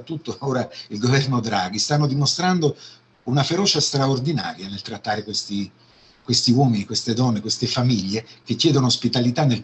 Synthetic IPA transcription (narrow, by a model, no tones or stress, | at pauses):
t̪ːut̪ːooːɾailɡovɛrnod̪ɾaːɡist̪anːod̪imost̪ɾand̪o | unafeɾɔːt͡ʃast̪ɾaord̪ina̰ːɾjanelt̪ɾat̪ːaːɾekwest̪i | kwest̪iwɔːminikwest̪ed̪ɔnːekwest̪efamiʎːekekːjɛːd̪onoːspit̪alit̪anːel